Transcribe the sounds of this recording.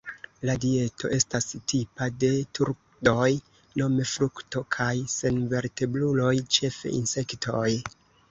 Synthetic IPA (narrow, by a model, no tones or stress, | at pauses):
ladie̞tʰo̞ʔe̞stastipade̞tʰuɾ | do̞j | no̞me̞fɾukto̞kʰajse̞nve̞ɾte̞blulo̞jt͡ʃe̞fḛḭnse̞ktʰo̞j